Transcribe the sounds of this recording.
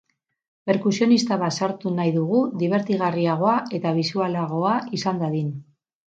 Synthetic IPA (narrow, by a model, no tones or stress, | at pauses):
pe̞ɾkusio̞nist̪aβat̪saɾt̪unajðuɣuðiβ̞e̞ɾt̪iɣariaɣ̞o̞ae̞t̪aβ̞isualaɣ̞o̞aisand̪aðin